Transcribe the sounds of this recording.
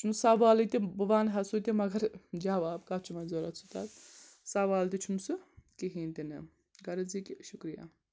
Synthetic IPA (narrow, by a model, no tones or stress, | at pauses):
t͡ʃʰumsaʋaːlit̪ibɨʋaːnɦɐsuːt̪imɐɡɐɾd͡ʒaʋaːbkat͡ʃʰumɐnzoːɾɐ̰t͡sʰut̪a̰zsɐʋaːlt̪it͡ʃʰumsɨkiɦiːnt̪inɨ | ɡɐɾɐzikiʃukɾija̰ː